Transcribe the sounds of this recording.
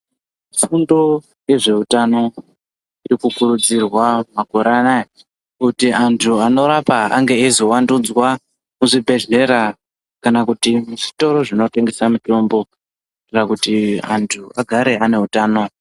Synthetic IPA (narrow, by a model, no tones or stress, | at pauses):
sundo̞ | jeʐe̞utano̞ | iɾikukuɾud͡zirwamako̞ɾana | kutiʔantʰuano̞ɾapaa̰ŋɡe̞izo̞wandud͡zwa | muʐibʱe̞ʒe̞ɾa | kanakutimuʐito̞ɾo̞ʐino̞te̞ŋɡe̞samuto̞mbo̞ | irakutia̰ntʰuaɡʱaɾe̞ane̞ɦutaːno